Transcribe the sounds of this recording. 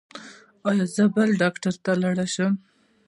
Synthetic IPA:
ɑjɑzəbəlɖɑkʈaɾt̪alaɽaʃəm

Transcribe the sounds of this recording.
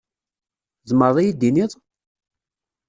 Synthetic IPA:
zˤməɾˤðˤijid̪ːiniðˤ

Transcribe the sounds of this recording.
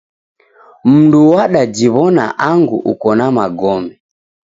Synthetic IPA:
m̩nduwaɗad͡ʒiβɔna̰ʔaŋɡuʔukɔnamaɡɔmɛ

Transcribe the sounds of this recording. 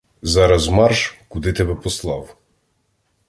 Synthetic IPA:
zɑɾɐzmɑrʃkʊd̪ɪt̪ɛbɛpɔslˠɑw

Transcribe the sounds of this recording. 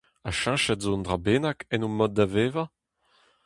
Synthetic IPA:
aʃãʃɛtzondʁabeːnakɛnumɔd̪̚daveːva

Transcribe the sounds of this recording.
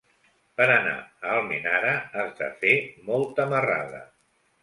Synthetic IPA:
pəɾəna̰əlˠminaɾəːzða̰femɔlˠt̪əməra̰ðə̰

